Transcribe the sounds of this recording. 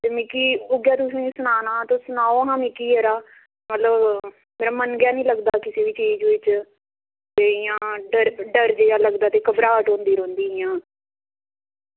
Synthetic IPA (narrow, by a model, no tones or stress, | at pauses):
t̪eːmɪkiːʊɡjaːt̪ʊsĩːsʊnaːnãːt̪õːsʊnaːoɦãːmikiːɦɛːɾaː | mət̪ləb | meːɾaːmənɡjaːnĩːləɡd̪aːkɪseːʋiːt͡ʃiːd͡ʒʋɪt͡ʃ | t̪eːɪjãːɖəɾɖəɾd͡ʒeːjãːləɡd̪aːt̪eːkəbɾaːʈɦõːnd̪iːɾõːnd̪iːɪjãː